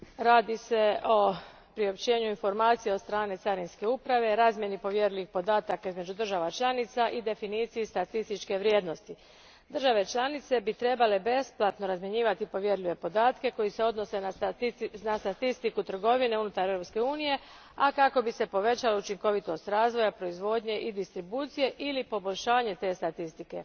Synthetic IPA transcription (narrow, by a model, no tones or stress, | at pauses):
ɾaːd̪ise̞ʔo̞ | pɾio̞pt͡ɕe̞ːɲuinfo̞ɾmaːt̪sijeot̪st̪ɾaːne̞t̪saɾinske̞upɾaʋe̞ɾaːzmje̞nipo̞ʋje̞ɾlʲiʋixpo̞d̪aːt̪akaizme̞d͡ʒud̪r̩ʒaʋat͡ʃlˠanit̪saʔid̪e̞finiːt̪sijist̪at̪ist̪it͡ʃke̞ʋɾjed̪no̞st̪i | d̪r̩ʒaʋe̞t͡ʃlˠanit̪se̞bit̪ɾe̞bale̞be̞splˠat̪no̞ɾazmje̞ɲiːʋat̪ipo̞ʋje̞ɾʎiʋe̞po̞d̪aːt̪ke̞ko̞jise̞o̞d̪no̞se̞ | nast̪at̪ist̪ikut̪r̩ɡo̞ʋine̞unut̪aɾevɾo̞pske̞uːnije̞ | akako̞bise̞po̞ʋe̞t͡ɕalout͡ʃiŋko̞ʋit̪o̞st̪ɾaːzʋo̞japɾo̞izʋo̞d̪ɲe̞ʔid̪ist̪ɾibuːt̪sije̞ʔilipo̞bo̞ʎʲʃaːɲe̞t̪e̞ːst̪at̪ist̪ike̞